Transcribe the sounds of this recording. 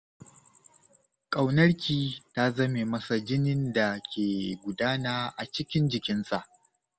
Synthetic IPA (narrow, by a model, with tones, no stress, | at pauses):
kʼa˨wnɐ˦ɽkʲiː˨ta˦zɐ˦me˨mɐ˦sa˨d͡ʒɪ˦nɪ˦nda˨kʲeː˨ɡʷʊ˨daː˦naː˦ʔa˨t͡ʃɪ˦kʲɪ˦nd͡ʒɪ˨kʲɪ˦nsa˦˨ʔ